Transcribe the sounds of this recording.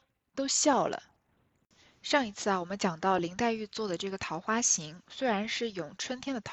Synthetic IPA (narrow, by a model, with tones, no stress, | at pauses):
t̪o˥ʊɕjɑ˥˩ʊlə̰˩ | ʂɑ˥˩ŋi˧˥t͡sʰɹ̩˥˩a˩wɔ˨˩mə˦nt͡ɕjɑ˨˩ŋt̪ɑ˥˩ʊli˧˥ŋt̪a˥˧ɪy˥˧t͡swɔ˥˩d̪ə˩ʈ͡ʂɤ˥˩ɡə˩t̪ʰɑ˧˥ʊxwa˥ɕi˧˥ŋswe˥ɪɻa˧˥nʂɻ̩˥˩jʊ˨˩ŋʈ͡ʂʰwə˥nt̪ʰjɛ˥nd̪ə˩t̪ʰ